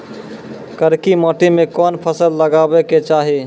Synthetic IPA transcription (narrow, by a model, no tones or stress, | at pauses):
kəɾkimɔːʈimẽkɔːnpʰəsəlləɡabeket͡ʃaːɦi